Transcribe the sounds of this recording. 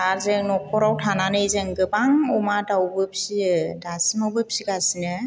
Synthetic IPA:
aɾzɯŋnɔk̚ʰɔɾawtʰananɯjzɯŋɡɯbaŋɔmadawbɯpsidasimawbɯpsiɡasinɯ

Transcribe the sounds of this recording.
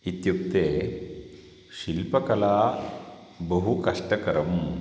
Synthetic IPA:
it̪jukt̪eː | ʃilpɐkɐlaː | bɐɦukɐʂʈɐkɐɾɐm

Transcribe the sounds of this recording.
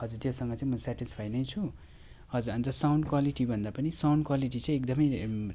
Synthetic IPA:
ɦʌd͡zuɾt̪josʌŋɡʌt͡sãĩmʌsaʈispʰajnʌjt͡sʰu | hʌd͡zuɾʌnt̪ʌsawɳɖkwaliʈibʱʌnd̪apʌnisawɳɖkwaliʈ̬it͡sʌ̃ĩekd̪ʌmʌj

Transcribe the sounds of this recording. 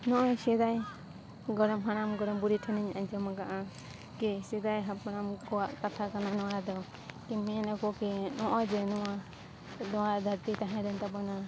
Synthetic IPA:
nɔʔɔsɛd̪aj | ɡɔɾɔmɦañamɡɔɾɔmbuɾiʈʰɛniɲaɲd͡ʒɔmaɡaʔa | kɛsɛd̪ajɦapɾamkɔwaʔkat̪ʰakananɔwaɾad̪ɔ | kɛɛnakɔkɛnɔʔɔd͡ʒɛnɔwa | d̪ɔwaɾd̪ʱaɾt̪it̪aɦɛ̃dɛnt̪abɔna

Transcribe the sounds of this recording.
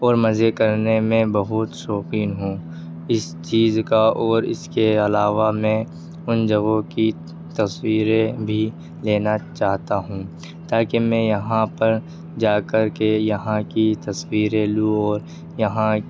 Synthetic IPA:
ɔːɾmɐzekɐɾnemẽbɐɦʊt̪sɔːqiːnɦũː | ɪs | t͡ʃiːzkaɔːɾɪ̰skeɐlaːʋamɛ̃ | ʊnd͡ʒɐɡõki | t̪ɐswiːɾẽbʱi | leːnat͡ʃaːɦt̪aɦũː | t̪aːkemɛ̃jɐɦãpɐɾ | d͡ʒaːkɐɾkejɐɦãkit̪ɐswiːɾẽluɔːɾ | jɐɦã

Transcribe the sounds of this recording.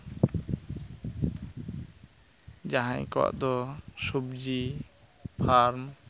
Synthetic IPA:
d͡ʒaɦãj̰̃kɔa̰ʔd̪ɔsubd͡ʒi | pʰaɾm

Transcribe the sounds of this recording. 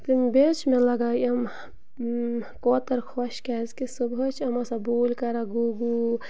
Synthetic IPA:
t̪imbet͡ʃmẽlɐɡaːjɐm | kɔːt̪əɾkʰɔʃkɛzkisəbɦot͡ʃʰɐmasãboːlkɐɾaɡuɡu

